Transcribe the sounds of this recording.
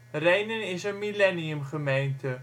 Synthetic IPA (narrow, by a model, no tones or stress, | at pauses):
rejnənɪsənmilɛniəmχəmejntə